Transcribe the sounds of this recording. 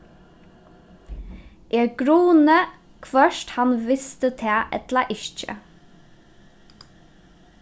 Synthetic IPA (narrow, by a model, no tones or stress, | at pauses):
ʔɛɹɡ̥ɾuːnə | kʰʋœʃt̪hanʋɪst̪ət̪ʰɛːʔɛ̰t̪lɐʔɪʃt͡ʃə̰